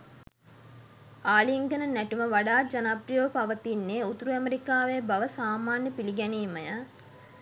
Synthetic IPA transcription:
aːliiŋɡənənæʈuməʋaɖaːd͡ʒanaːprijoːəpaʋət̪inːeut̪uɾuæmeɾikaːʋejəbaʋəsaːmaːnjəpiliɡɛniːməjə

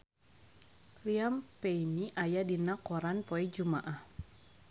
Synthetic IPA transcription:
riampeiniʔajadinakɔɾanpɔɛd͡ʒumaʔah

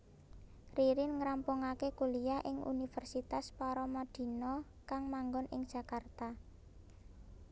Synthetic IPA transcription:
riɾɪnŋɾampuŋakekulijaʔɪŋʔṵnifərsit̪aspaɾɔmad̪̥i̤nɔ | kaŋmaŋɡɔnʔɪ̰ŋd̥ʒ̥a̤kart̪a

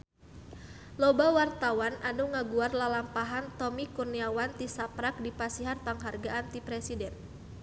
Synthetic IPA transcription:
lɔbawart̪awanʔanuŋaɡuarlalampaɦant̪ɔmikurniawant̪isapɾak̚dipasiɦanpaŋɦarɡaʔant̪ipɾɛsidɛn

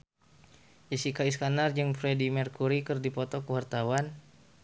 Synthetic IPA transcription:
d͡ʒəsikaiskanard͡ʒɨŋfɾɛdimərkuɾikərdipɔt̪ɔkəwart̪awan

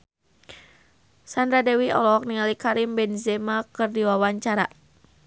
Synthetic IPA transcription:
sandɾadɛwiɔ̰lɔk̚niŋalikaɾimbɛnzɛmakɨrdiwawaɲt͡ʃaɾa

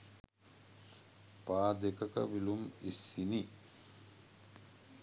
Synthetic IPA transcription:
paːd̪ekɐkɐ̰ʋilumisini

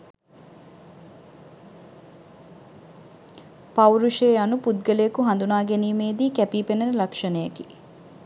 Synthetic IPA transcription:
pɐuɾuʃeːɐnupud̪̚ɡɐlejɐkuɦɐnd̪unaːɡeniːmeːd̪iːkɛpiːpenɐnlɐkʂɐnejɐki

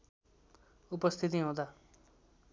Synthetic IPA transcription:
upʌst̪ʰit̪̬iɦõd̪a

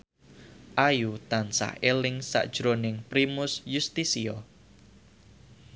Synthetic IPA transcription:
ʔajut̪ansa̰helɪŋsa̰ʔd̥ʒ̥ɾonɪŋpɾimʊsjust̪isiɔ

